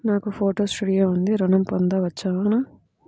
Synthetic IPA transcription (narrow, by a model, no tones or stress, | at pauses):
naːkupʰoːʈoːsʈuɽijeːund̪iɾɔnɐmpɔnd̪ɐʋɐt͡ʃːaːana